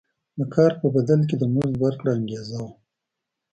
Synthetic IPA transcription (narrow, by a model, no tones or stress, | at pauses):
d̪əkʰɑɾpəbad̪alk̬ed̪əmuzwaɾkɽaaŋɡezaw